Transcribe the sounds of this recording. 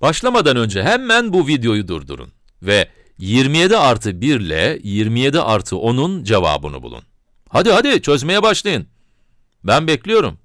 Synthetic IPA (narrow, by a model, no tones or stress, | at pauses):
b̥aʃlˠamad̪anø̞nd͡ʒɛɦɛmːænbuvid̪jo̞jud̪ṵɾd̪ṵɾṵn | vɛ | jiɾmije̞d̪iaɾt̪ʰɯbiɾlʲɛ̰jiɾmije̞d̪iʔaɾt̪ʰɯʔo̞nund͡ʒeva̰ːbɯ̰nṵbṵlˠṵn | had̪ihad̪it͡ʃʰø̞zme̞jɛbaʃlˠajɯn | bænbɛclʲijo̞ɾum